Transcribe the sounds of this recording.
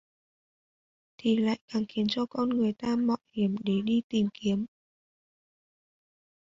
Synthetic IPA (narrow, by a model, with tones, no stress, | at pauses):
t̪ʰi˨˩la̰ː˧˨jkaː˨˩ŋxi˨˦ənt͡ɕɔ˧kɔ˧nŋɨ˨˩əjt̪aː˧mɔ̰˧˨hi˨˩əmɗe˧˩ɗi˧t̪i˨˩mki˨˦əm